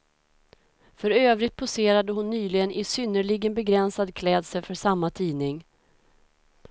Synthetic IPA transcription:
fœɾøːvɾɪt̪̚pʰʊseːɾad̪əɦʊnːyːlɪɡənɪsʏnːəɭɪɡənbɛɡɾɛnsad̪kʰlɛːd̪səfœʂamːat̪ʰiːnɪŋ

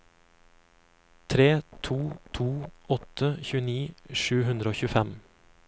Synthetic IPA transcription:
t̪ʰɾeːt̪ʰuːt̪ʰuːɔt̪əçʉːəniːʃʉːhʉnd̪ɾəoːçʉːfɛm

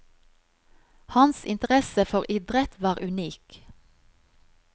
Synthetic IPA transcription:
hɑnsɪnt̪əʁɛsəfɔʁɪd̪ʁət̪ʋɑːʁʉniːk

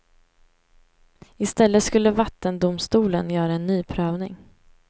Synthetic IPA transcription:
ɪst̪ɛlːət̪skɵlːəvat̪ːənd̪ʊmst̪uːlənjœːɾaɛnːyːpʰɾøːvnɪŋ

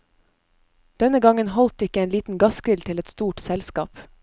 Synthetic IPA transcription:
d̪̥ɛnəɡɑŋənhɔlt̪ɪkəeːnliːt̪n̩ɡɑskɾɪlt̪ʰɪlɛt̪st̪uːʈsɛlskɑːp

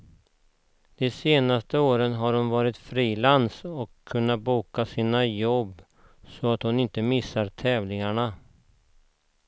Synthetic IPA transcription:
d̪̥ɛseːnast̪əoːɾənɦaɾhʊnvɑːɾɪt̪fɾiːlansɔkʰːɵnːat̪̚buːkasiːnajɔbː | sɔat̪hʊnɪnt̪əmɪsːaɾt̪ʰɛːvlɪŋaɳa

